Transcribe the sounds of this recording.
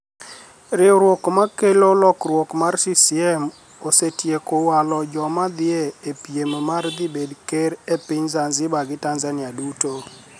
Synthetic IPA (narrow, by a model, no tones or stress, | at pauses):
ɾɪɔɾwɔkmakelolɔkɾwɔkmarsisiɛm | osetjekowalɔd͡ʒɔmad̪ɪeepjemmard̪ɪbedkeɾepɪɲzanzɪbaɡɪtanzanɪaduto